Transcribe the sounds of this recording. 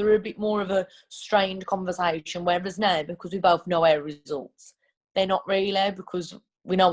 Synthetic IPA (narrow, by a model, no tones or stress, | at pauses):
ðəɹəbɪʔmɔːɹəvə | stɹ̥ẽɪ̃nkʰɒ̃ɱvəseɪʃə̃nwəɹɛvə˞znəbɪkʰʌzwibəʊθnoʊɛɹɪzʌ̰lˠts | ðənəʔɹɪːliðəbɪkʰɔz | winoʊ